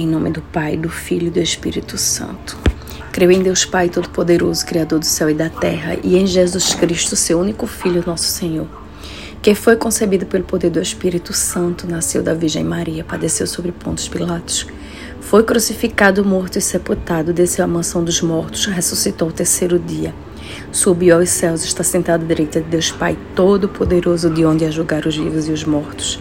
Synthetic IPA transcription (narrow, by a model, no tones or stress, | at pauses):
ẽj̃nõmɪd̪ʊpajd̪ʊfiʎʊd̪ʊeʃpḭɾit̪ʊsɐ̰̃nt̪ʊ̥ | kɾewẽj̃d̪ewspajt̪od̪ʊpod̪eɾozʊkɾiad̪oɾd̪ʊsɛwɪd̪ɐt̪ɛɦɐ̰ʔiẽj̃ʒezuʃkɾiʃt̪ʊsewũnikʊfiʎʊnɔsʊ̥sẽɲoɾ | kẽfojkõsebid̪ʊpelʊpod̪eɾd̪ʊeʃpiɾit̪ʊsɐ̃nt̪ʊnasewd̪ɐviɾʒḛ̃j̃maɾiɐpad̪esewsobɾɪpõnt̪ʊ̥spilat̪ʊ̥s | fojkɾusifikad̪ʊmoɾt̪ʊɪseput̪ad̪ʊd̪esewɐmɐ̃sɐ̃w̃d̪ʊzmɔɾt̪ʊ̥sɦesusit̪oawt̪eɾsejɾʊd̪iɐ | subiwawsɛwzɪʃt̪asẽnt̪ad̪ʊd̪iɾejt̪ɐd̪ɪd̪ewspajt̪od̪ʊpʰod̪eɾozʊd̪ɪõnd̪ɪaʒuɡaɾʊzvivʊzɪʊzmɔɾt̪ʊ̥s